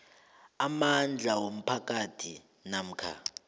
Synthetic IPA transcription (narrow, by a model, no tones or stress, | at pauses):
amand͡ɮʱawom̩pʰakatʰi | nam̩kʰa̰